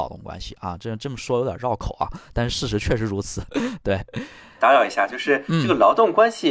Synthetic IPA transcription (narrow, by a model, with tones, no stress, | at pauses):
ʊt̪ʊ̰˥˩ŋkwa̰˥nɕḭ˨ɐ̰˧ʈ͡ʂʈ͡ʂɤ˥˩mə˩ʂwɔ˥jo˧˥ʊt̪j̰ɻɑ˥˩ʊkʰo˨˩ʊɐ̰˦t̪a˥˧nʂɻ̩˥˧ʂɻ̩˥˩ʂɻ̩˧˥t͡ɕʰɥɛ˥˩ʂɻ̩˧˥ɻu˧˥t͡sʰɹ̩˨˩˦t̪we˥˩ɪ | t̪a˧˥ɻɑ˨˩ʊi˧˥ɕja˥˧t͡ɕjo˥˧ʊʂɻ̩˥˧n̩ʈ͡ʂ̩˥˩ɤ˥˩ɡə˩lɑ˧˥ʊt̪ʊ˥˩ŋkwa˥nɕi˨˩